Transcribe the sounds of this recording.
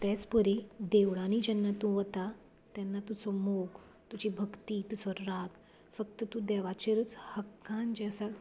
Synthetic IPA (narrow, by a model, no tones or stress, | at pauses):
t̪ɛt͡spəɾid̪eʋɽãniːd͡ʑɛnːat̪ũʋət̪a | t̪ɛnːat̪ut͡sɔmoɡ | t̪ut͡ɕibʱəkt̪it̪ut͡sɔɾaɡ | fəkt̪ət̪ũd̪ɛʋat͡ɕeɾət͡shəkːãnd͡ʑɛsa